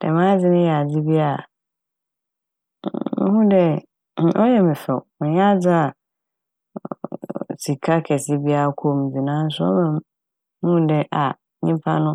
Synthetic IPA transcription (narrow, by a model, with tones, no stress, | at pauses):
d̥ɛ̰˨mã˦d͡zɪ˦nɪ̃˦jɛ˨a˨d͡zi˦bi˦a˦˨˦ | hũ˦dɛ˦˨ | ɔ˦jɛ˨mɪ̃˨fɛ˨m˨ja˦d͡za˦a˨ | si˨kʰa˦kʰɛ˨sɪ˦bi˦a˨kʰo˦˨m˨d͡zi˨nãː˦n˦sʊ˦ɔ̰˦mã˦˨m̩̃˦ | hũ˦dɛ˦ʔa˨ | ɲĩ˦pʰa̰˦nʊ̃˦